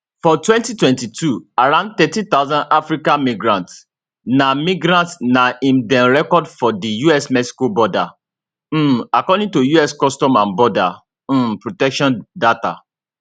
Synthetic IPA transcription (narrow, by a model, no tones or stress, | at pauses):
fɔtwɛ̃ntitwɛ̃ntitʰuaɾãʊ̃nd̚t̪ɛtĩt̪aʊzãndafɹikãnmĩɡɹãnts | namiɡɾãntnaĩmdɛ̃nɹɛkɔdfɔdijuɛsmɛksi̥kobɔda | akɔdĩŋtojuɛskɔstɔ̃mãnbɔda | m̩pɹotɛkʃɔ̃ndata̰